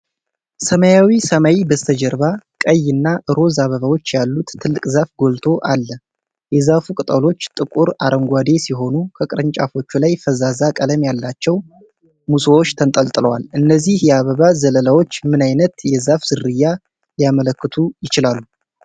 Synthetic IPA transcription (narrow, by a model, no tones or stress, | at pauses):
səmajawisəmawibəst̪ʰəd͡ʒəɾβakʼəjːɨnːaʔɨɾo̞zaβəβawo̞t͡ʃːjalːut̪ʰːɨlːɨkʼzafɡo̞lt̪ʰo̞ʔalːə | jɛzafukʼɨt̪ʼəlo̞t͡ʃːt̪ʼɨkʼuɾaɾʔəŋɡʷad̪e̞siɦo̞nukʰəkʼɨɾəɲt͡ʃʼafo̞t͡ʃːulajfəzazakʼələmjalːat͡ʃːɛw | musəwo̞t͡ʃːt̪ʰənt̪ʼəlt̪ʼɨləwalʔɨnːəzːihjɛaβəβazələlawo̞t͡ʃːmɨnajnət̪jɛzafz̥ɨrɨjːa | lijamələkːɨt̪ʰujɪt͡ʃɪlalːu